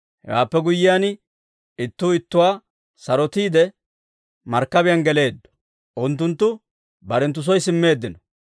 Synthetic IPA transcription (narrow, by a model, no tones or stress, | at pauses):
hɛ̰wa̰ːpːɛɡʊjːɪjaːn | ɪt̪ːuːɪt̪ːʊwaː | sɐɾɔt̪iːd̪ɛ | mɐɾkːɐbɪjanɡɛle̞ːd̪ːɔ̥ | ʔʊnt̪̬ːʊnt̪ːʊ | bɐɾɛnt̪̬ːʊs̬ɔjsɪmːe̞ːd̪ːɪnɔ